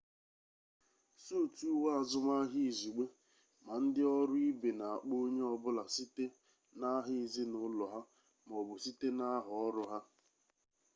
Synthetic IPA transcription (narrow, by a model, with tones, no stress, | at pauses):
su˦˨tu˦wa˦a˨zʊ˦ma˦ɦi˦˨zu˨ɡ͡be˦ | ma˨n̩˦dɪ˦ɔ˦ɾʊ˦i˦be˨na˨a˨k͡po˦ɲe˦ɔ˦bʊ˦la˨si˦te˦ | na˦ɦɪ˦˨zi˦nʊ˦lɔ˨ɦa˦ | m˨ɔ˨bʊ˨si˦te˦na˦ɦʊ˨ɔ˦ɾʊ˦ɦa˦